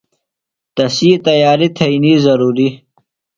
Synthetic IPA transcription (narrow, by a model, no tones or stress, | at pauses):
t̪ɐsiːt̪ɐjaːɾit̪ʰɐinizɐɾuːɾi